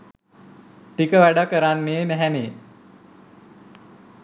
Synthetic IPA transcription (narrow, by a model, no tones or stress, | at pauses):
ʈikəʋæɖakːəɾanmeːmæɦɛmeː